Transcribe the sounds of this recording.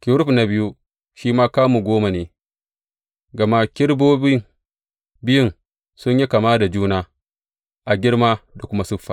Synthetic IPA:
kʲɪ˨ɾʊ˦ɸna˨bɪ˦ju˦ | ʃiː˦maː˦kaː˦muː˨ɡʷoː˦ma˨neː˦ | ɡɐ˨ma˦kʲɪ˦ɽboː˦bɪ˦ŋ | bɪ˦jʊ˦n | sʊ˦ɲji˦ka˨maː˦da˨d͡ʒuː˦naː˦ | ʔa˨ɡʲɪ˦ɽmaː˦da˨kʷʊ˦ma˦sʊ˦ɸːa˨

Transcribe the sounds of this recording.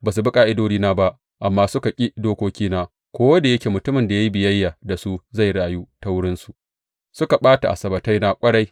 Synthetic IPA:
baː˨s̬u˨bɪ˦kʼaː˦˨ʔɪ˦doː˦d͡ʒiː˦naː˦ba˦ʔ | ʔa˨mːaː˦sʊ˦ka˨kʲʼi˦doː˦kʷoː˦kʲiː˦naː˦ | kʷoː˦wɐ˦da˨jɐ˦kʲeː˨mʊ˨tʊ˦mɪ˨nda˨ja˦ji˦bɪ˨jɐ˦jːaː˨da˨su˦za˦˨jɽaː˨juː˦ta˦wʊ˦ɽɪ˦nsu˨ʔ | sʊ˦ka˨ɓaː˦ta˨ʔa̰˨sɐ˨bɐ˨ta˦jna˦kʷʼɐ˦ɽa˦j

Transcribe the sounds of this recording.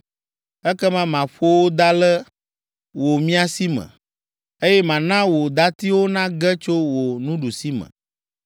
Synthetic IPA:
ɛ˦kɛ˦mã˦mã˨ɸo˦wo˦d̪a˦lɛ˦ | wo˨mĩ˦a˨si˦mɛ̰̃˨ | e˦jɛ˦mã˨nã˦wo˨d̪a˦t̪i˦wo˦nã˦ɡɛ˦t͡ʃo˦wo˨nũ˦ɖu˨si˦mə̰̃˨

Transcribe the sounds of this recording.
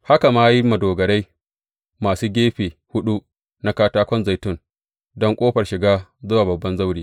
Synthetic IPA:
ha˦ka˨maː˦ji˦mɐ˨doː˨ɡɐ˨ɽa˦j | maː˨suː˦ɡʲeː˦ɸeː˨hʊ˦ɗu˦ | na˦kaː˦taː˦kʷɔ˦nza˨jtʊ˦˨n | dɔ˦ŋkʷʼoː˦ɸɐ˨rʃɪ˨ɡaː˦zʊ˦waː˨bɐ˨bːɐ˦nza˦wɽiː˦

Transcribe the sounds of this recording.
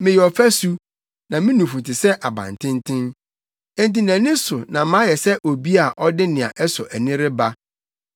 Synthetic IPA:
mɪ̃˨jɛ˨ɔ˨fæ˦su˦ | nã˨mĩ˦nũ˨fu˨tʰɪ˨sɛ˦ʔa˨bã̰˨n˨tʰɪ̃˦n˦tʰɪ̃˦ñ̩˦ | nt̬ĩ˨næ̃˨nɪ̃˦sʊ˨nã˨mã˦jɛ˨sɛ˦ʔo˨bi˦a˨ʔɔ˦dɪ˦nɪ̃˨ã̰˨ʔɛ˦sɔ˨ʔæ˨nɪ̃˦ɾɪ˦ba˦

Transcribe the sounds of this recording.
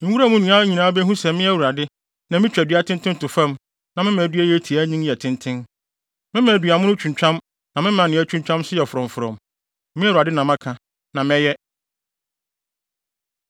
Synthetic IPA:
ŋ̩˨˦wu˦ɾa˦mũ˦nũ˨ã˦ɲĩ˨nãː˦bɛ˦ɦũ˦sɛ˨mɪ̃˦ɛ˦wu˨ɾa˨dɪ˦ | nã˨mɪ̃˦t͡ɕᶣɛ˨dɪ˦a˦tʰɪ̃˦n˦tʰɪ̃˦n˦tʊ˨fã˦m | nã˨mɪ̃˦mæ̃˨dɥæ˦jɛ˦tʰi˨a˦ɲĩ˦jɛ˨tʰɪ̃˦ntʰɪ̃˦n | mɪ̃˦mã˨dɥa˨mʊ̃˦nʊ̃˦t͡ɕʰᶣũ˨ɲ˨t͡ɕᶣã˦m | nã˨mɪ̃˦mã˨nɪ̃˨˦ɛ˦t͡ɕᶣũ˦ɲt͡ɕᶣã˦msʊ˦jɛ˨fʊ˨ɾɔ̃˨m˨fʊ˨ɾɔ̰̃˨m | mɪ̃˦u˨ɾa˨dɪ˦nã˨mã˦kʰã˨ | nã˨mɛ̃˦jɛ˦

